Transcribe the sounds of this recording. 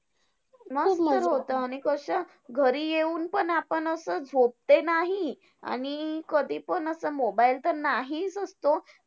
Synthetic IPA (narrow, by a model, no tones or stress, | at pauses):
məst̪əɾɦot̪əaɽ̃ikəɕa | ɡʱəɾiːjeuːnpəɳapəɳəsəd͡zʱop̚t̪enaɦi | a̰ɽ̃ikəd̪ʱiːpənəsəmobailt̪əɾnaɦit͡səst̪o